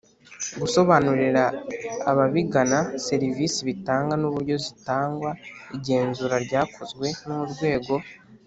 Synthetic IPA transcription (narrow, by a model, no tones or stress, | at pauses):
ɡuso̞βanuɾiɾaːβaβiɡanase̞ɾivisiβitaːŋɡanuβuɾɟo̞zitaːŋɡwaiɟe̞ːnzuɾaɾɟaːkʰo̞zɡwe̞nuuɾɡwe̞ːɡo̞